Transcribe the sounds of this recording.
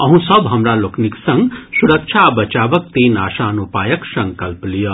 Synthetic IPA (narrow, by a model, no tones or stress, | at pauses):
ʌɦũsʌbɦʌmɾalokʰniksʌŋɡsuɾək̚t͡ʃʰabət͡ʃabʌk̚t̪enasanupajʌksʌŋkʌlplijo